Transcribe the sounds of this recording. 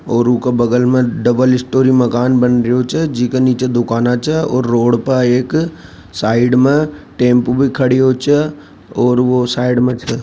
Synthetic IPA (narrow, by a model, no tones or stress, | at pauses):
ɔːɾʊkabɐɡəlmẽɖɐbəlɪsʈoːɾiməkaːnbɐnɾijot͡ʃɛd͡ʒɪkeniːt͡ʃed̪ʊkaːnat͡ʃɛɔːɾːoːɽpəeːk | saːɪɖmẽʈẽːmpbʱikʰɐɽiot͡ʃʰɛ | ɔːɾʋosaːɪɖmẽt͡ʃʰɛ